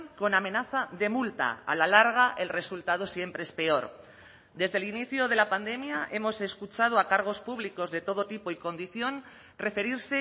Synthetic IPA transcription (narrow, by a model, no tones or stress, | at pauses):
ko̞namẽ̞naθaðe̞mult̪a̰a̰lalaɾɣ̞aʔe̞lre̞sult̪að̞o̞sje̞mpɾe̞espe̞o̞ɾ | d̪e̞zðe̞liniθjoð̞e̞lapand̪e̞mjaʔe̞mo̞se̞skut͡ʃað̞oakaɾɣ̞o̞spuβ̞liko̞zðe̞t̪o̞ð̞o̞t̪ipo̞iko̞nd̪iθjo̞n | re̞fe̞ɾiɾse̞